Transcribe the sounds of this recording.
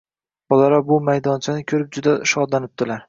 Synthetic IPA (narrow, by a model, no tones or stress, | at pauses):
b̥ɒlaɾɒbʊmajd̪ɒnt͡ʃʰanɪkʲʰɵɾɪp̚d͡ʒʊd̪aʃɒd̪lanɪp̚d̪̥ɪlaɾ